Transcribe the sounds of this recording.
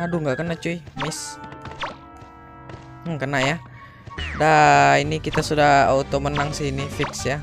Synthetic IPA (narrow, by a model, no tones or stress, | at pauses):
aduŋɡaʔkənat͡ʃuimɪs | əkənaja | dainikit̪asudahaut̪omənaŋsiinifiksja